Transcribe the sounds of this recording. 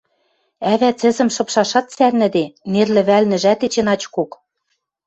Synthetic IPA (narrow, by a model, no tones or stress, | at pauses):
æβæt͡sɘ̆zɘ̆mʃɤ̆pʃɑʃɑt̪̚t͡særnɘ̆d̪enerlɘ̆βælnɘ̆ʒæt̪et͡ɕĕnɑt͡ɕkok